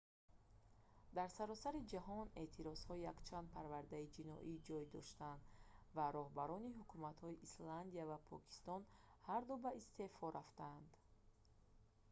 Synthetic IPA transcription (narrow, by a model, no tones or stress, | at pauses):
d̪aɾsaɾɔsaɾid͡ʒaɦɔne̞̰t̪ʰiɾɔz̥hɔijakt͡ʃʰand̪̚pʰaɾvaɾd̪aid͡ʒinɔ̰ʔid͡ʒɔjd̪ɔ̰ʃt̪and̪vaɾɔhbaɾɔniɦukʰumat̪hɔiʔisland̪iavapʰɔ̰kʰi̥st̪ɔn | haɾd̪ubaist̪e̞fɔɾaft̪aːnd̪